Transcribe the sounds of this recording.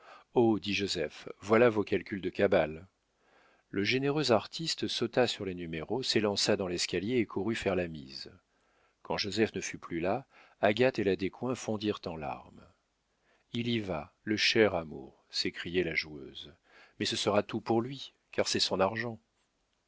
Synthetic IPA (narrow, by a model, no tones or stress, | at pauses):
od̪iʒozɛfvwalavokalkʲyld̪əkabal | əʒeneʁøzaʁt̪ʰist̪sot̪asyʁlenymeʁoselɑ̃sad̪ɑ̃lɛskaljeːkʰuʁyfɛʁlamḭz | kɑ̃ʒozɛfnəfyplylaː | ɡat̪elad̪ekwɛ̃fɔ̃d̪iʁt̪ɑ̃la̰ʁm | iliva | ləʃɛʁamṵʁsekχijɛlaʒuø̰z | mɛsəsəʁat̪upuʁlɥi | kaʁsɛsɔ̃naʁʒɑ̃